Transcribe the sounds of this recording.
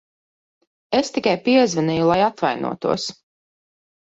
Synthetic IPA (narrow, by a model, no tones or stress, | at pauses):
est̪ikajpiɛzvɛnɛjulˠajat̪vajnṵɔt̪ṵɔs